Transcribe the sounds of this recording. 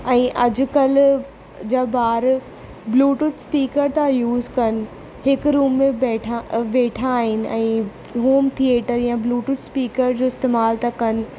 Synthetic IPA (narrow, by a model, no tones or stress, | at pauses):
ɛ̃ːʔɐd͡ʑʊ̆kɐl̤ | d͡ʑaːbaːɾ | bluːʈʊʈspiːkəɾt̪ãjuːzkɐnɪ̆ | hɪkɾuːmːẽbɛːʈʰaʋeːʈʰaːɦɪnɪ̆ʔɛ̃ː | ɦoːmt̪ʰieːʈəɾjãbluːʈʊʈspiːkəɾd͡ʑoːɪst̪eːmaːlt̪akɐnɪ̆